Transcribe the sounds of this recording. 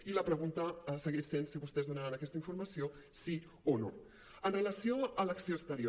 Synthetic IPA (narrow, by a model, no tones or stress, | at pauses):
iləpɾəɣ̞unt̪əsəɣeʃsensiβust̪ɛzðunaɾanɐkɛst̪əiɱfuɾmasio | si | ono̰ | ənrelasjoalaksioəst̪əɾjo